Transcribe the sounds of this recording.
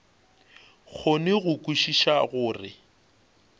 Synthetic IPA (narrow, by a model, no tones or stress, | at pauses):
ɣʰonɪɣʊkʼuʃiʃaɣʊːrɪ̰